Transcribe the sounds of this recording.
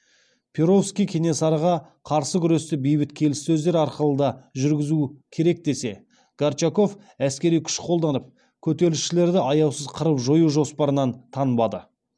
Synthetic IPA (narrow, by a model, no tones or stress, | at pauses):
pʲʰeɾo̞fskʲijkʲʰe̞ne̞sɑɾəʁɑ | qʰɑɾsəɡʲʏɾe̞st̪ɪbijbɪt̪kʲʰe̞lɪsːɵzd̪e̞ɾɑɾqəlˠəd̪ɑʒʏɾɡʲɪzukʲʰe̞ɾe̞k̚d̪e̞se̞ | ɡ̥art͡ʃako̞f | æskʲe̞ɾijkʲʰʏ̥ʃqʰo̞lˠd̪ɑnəp̚ | kʲʰɵt̪e̞ɾlɪʃʃɪle̞ɾd̪ɪʔɑjɑwsəzqʰəɾəpʒo̞juʒo̞spɑɾənɑnt̪ʰɑnəbɑd̪ə